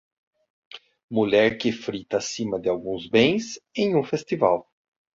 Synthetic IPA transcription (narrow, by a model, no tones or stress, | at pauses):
muʎɛɾkɪfɾit̪ɐːsĩmɐd̪ɪawɡũzbẽj̃sẽj̃ũfest̪iva̰w